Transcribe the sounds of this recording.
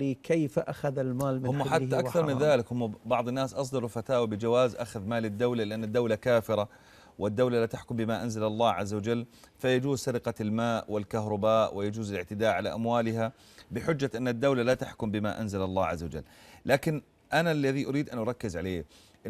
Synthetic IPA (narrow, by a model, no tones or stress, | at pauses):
iːkejfʔaxaðalmaːlmɪhʊmːaħat̪ːaʔʔakθɑɾˤmɪnðaːlɪkhʊmːbɑʕd̪ˤɪnːaːsʔɑs̬ˤd̪ɑlufat̪aːwabɪd͡ʒawaːzʔaxaðmaːlɪd̪ːawlalɪʔanːad̪ːawlakaːfɪɾa | wɪd̪ːawlalat̪aħkʊmbɪmaʔanzalɑlˤːɑːhʕazːawad͡ʒalːfajad͡ʒuːzsaɾɪqɑlmaːʔwɪlkaɦɾˤʊbaːʔwʔɪjad͡ʒuːzɪlɪʕt̪ɪd̪aːʔʕala̰ʔamwaːlɪɦa | bɪħʊd͡ʒːaʔɪnːad̪ːawlalat̪aħkʊmbɪmaʔa̰nzalalˤːɑːʕa̰zːawad͡ʒa̰lːlaːkɪn | ʔanalːaðiʔʊɾiːd̪ʔanʔʊɾˤɑkːɪzʕaleː